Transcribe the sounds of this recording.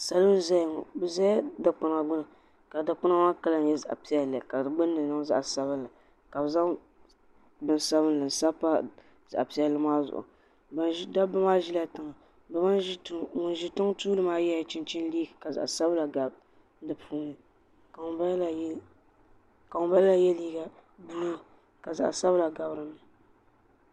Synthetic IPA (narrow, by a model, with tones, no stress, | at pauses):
sa˨lɨ˦m˦za˦jŋɔ̰˨bɨ˨za˦da˨k͡pʊ˨n˨a˨ɡʊ˦na˨ | ka˨da˨k͡pʊ˦na˦ma˦ka˦la˦n˦jɛ˦za̰˨ʔa̰˨pi˦ɛ˨lɨ˨ka˨dɨ˨ɡ͡bɨ˦nː˦ɨ˨nɨ˦ŋ˦za̰˦ʔsa˦βɨ˦n˦la˨ | ka˨bɨ˨za˦ŋ | bɨ˦nsa˦βɨ˦nlɨ˨n̩˨sa˦pa˦ | za̰˨ʔa˨pi˨˦ɛ˦lːɨ˦maː˦zʊ̰˨ʔʊ̰˨ | ba˨˦da˦bɨ˦maː˦ʒi˦la˦tɨ˨ŋa˨ | bma˦tŋʊ˨n˦ʒɪ˦tʊ˦ŋtuː˦lɨ˦maː˦jɛ˦ja˨t͡ʃɪ˦nt͡ʃɪ˦n˦liː˦ɡɨ˨ka˨za̰˨ʔsa˦bla˨ɡa˨b | dɨ˦pʰuː˦nɨ˨ | kba˦l | ka˨ŋʊ˨˦ba˦lla˨jɛ˦liː˦ɡa˨buː˦˨ | ka˨za̰˨ʔsa˦bla˨ɡa˨bɾɨ˦nɨ˨